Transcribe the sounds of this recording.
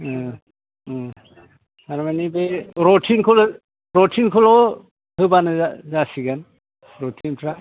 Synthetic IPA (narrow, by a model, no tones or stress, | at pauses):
tʰaɾmanibeɾɔtʰinkʰɔlɔ | ɾɔtʰinkʰɔlɔ | hɯbanɯzasiɡan | ɾɔtʰintʰɾa